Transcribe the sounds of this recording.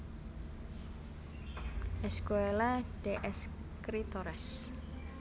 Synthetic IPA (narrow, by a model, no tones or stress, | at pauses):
ʔɛskoelaɖ̥eʔɛs | kɾit̪ɔɾɛs